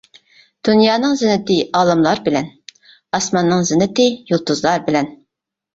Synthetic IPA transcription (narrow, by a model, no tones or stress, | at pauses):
d̪̥unjɑːnɨŋzɪnːɪt̪ɪɑːlˠɨmlˠɑɾbɪlɛn | ɑsmɑnːɨŋzɪnːɪt̪ɪjulˠt̪uzlˠɑɾbɪlɛn